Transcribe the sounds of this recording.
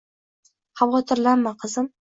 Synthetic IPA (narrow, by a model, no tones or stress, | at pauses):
habʁɒt̪ʰɪɾlanmːaqʰɨzɪm